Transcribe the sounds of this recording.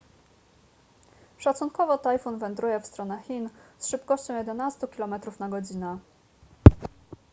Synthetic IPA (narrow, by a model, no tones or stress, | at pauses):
ʂat̪suŋkɔvɔt̪ajfunvɛnd̪ɾujɛfst̪ɾɔnɛxʲinsʂɘpkɔɕt͡ɕɔ̃w̃jɛd̪ɛnast̪ukʲilɔmɛt̪ɾufnaɡɔd͡ʑinɛ